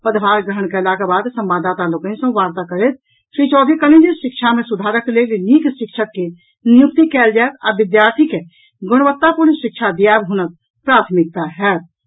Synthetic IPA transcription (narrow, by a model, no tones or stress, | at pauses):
pəd̪bʱaːɾɡɾəɦəɳ̃kalakabaːd̪sə̃mbaːd̪aːt̪aloːkẽnsɐ̃ʋaːɾt̪akəɾet̪̚ | ʃɾiːt͡ʃɔːd̪ikələ̃nd͡ʒeʃɪkʃʰamẽsʊd̪ʱaːɾəkleleniːkʃɪkʃʰəkːe | nɪjʊk̚t̪ikɛːld͡ʒaːek̪aɾʋɪd̪jaːɾt̪ʰike | ɡʊɽ̃əʋət̪ːapuɾnʃɪkʃʰad̪ijaːbɦunət̪̚ | pɾaːt̪ʰmɪk̚t̪aɦɛːt̪̚